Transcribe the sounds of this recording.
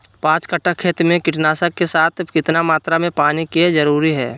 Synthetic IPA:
pãːt͡ʃkəʈːakʰeːt̪mẽkɪʈnaːsəkːesaːt̪ʰkɪt̪namaːt̪ɾamẽpaːnikezəɾuːɾiɦɛ̰ː

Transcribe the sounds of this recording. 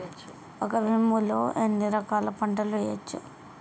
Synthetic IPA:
ɔkɐbʱimːuloːʔenːiɾɐkaːlɐpɐɳʈɐlejɐt͡ʃːṵ

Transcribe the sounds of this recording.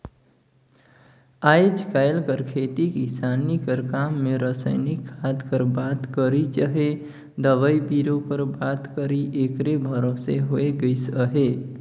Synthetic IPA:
ajd͡ʒkaɪlkəɾkʰet̪ikisanikəɾkamːeɾəsə̰ɪnikʰːad̪kəɾbat̪kəɾit͡ʃəɦe | d̪əʋəjbiɾopəɾbat̪kəɾiʔekɾebʱəɾoseɦoeɡəɪsəɦe

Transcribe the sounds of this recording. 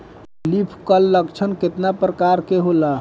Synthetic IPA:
lipʰkəlːəkt͡ʃʰənket̪napɾəkaɾkeɦola

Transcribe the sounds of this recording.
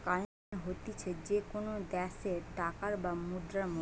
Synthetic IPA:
ka | ɦot̪it͡ɕʰed͡ʑekonod̪ɛʃeɾʈakaɾbamud̪ɾamo

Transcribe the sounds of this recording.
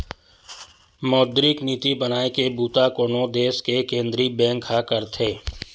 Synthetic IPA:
mɔːd̪ɾikniːt̪ibənaːekebuːt̪akoːnõd̪eːskekẽːnd̪ɾibɛ̃ːŋkʰakəɾt̪ʰeː

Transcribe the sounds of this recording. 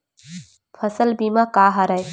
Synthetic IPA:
pʰɐsəlbimakaːɦɐɾɐj

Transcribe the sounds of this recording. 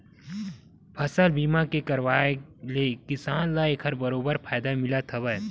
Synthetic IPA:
pʰɐsəlbiːmakekɐɾʋaːelekɪsaːnlaekʰɐɾbɐɾoːbəɾpʰaːjd̪amɪlat̪ʰɐbəj

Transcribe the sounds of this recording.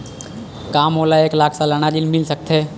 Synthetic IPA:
kaːmoːlaeːklaːkʰsãləɽ̃aɗɪnmɪlsək̚t̪ʰeː

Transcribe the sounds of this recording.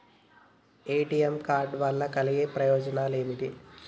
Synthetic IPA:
eːʈijemkaːɾɖʋɐlːɐkɐliɡeːpɾɐjoːd͡ʒɐnaːleːmit̪i

